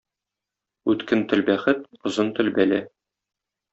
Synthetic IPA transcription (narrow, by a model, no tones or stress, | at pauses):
ʉt̪kɘnt̪ɘ̆lbæχɘt̪ŏzɤnt̪ɵ̆lbælæ